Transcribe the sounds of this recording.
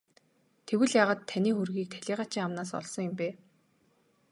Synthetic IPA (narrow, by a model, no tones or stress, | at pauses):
t̪ʰewɘ̆ɮjaːʁaːt̪ʰːaniːxurɣiːk̚t̪ʰæ̥ɮ̥ʲiːʁaːt͡ɕʰiːŋamnaːs̬ɔ̰ɮsɞ̆ŋjʊ̆mpeː